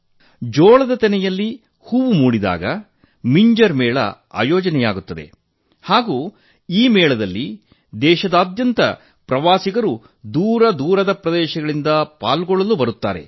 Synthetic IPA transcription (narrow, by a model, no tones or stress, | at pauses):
d͡ʒɔːɭɐd̪ɐt̪ɛnɛjɐlːi | huʋumuːɽid̪a̰ːɡɐ | miɲd͡ʒɐɾmɛːɭɐ̰ | a̰ːjɔːd͡ʒɐnɛjaːɡut̪ːɐd̪e̞̰ | haːɡuː | iːmɛːɭɐd̪ɐlːi | d̪ɛːʃɐd̪aːd̪jɐnt̪ɐ̰ | pɾɐʋaːsiɡɐɾu | d̪uːɾɐd̪uːɾɐd̪ɐpɾɐd̪ɛːʃɐɡɐɭind̪ɐpaːlɡɔɭɐlubɐɾut̪ːa̰ːɾe̞̰